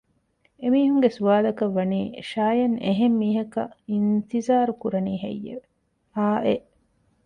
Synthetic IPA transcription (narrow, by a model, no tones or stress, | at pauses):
emiːɦuŋɡesuʋaːlɐkɐʋːɐniːʃaːjɐneɦemːiːɦɐkɐint̪izaːɾukuɾɐniːɦḛjːḛʋe | aːʔeʔ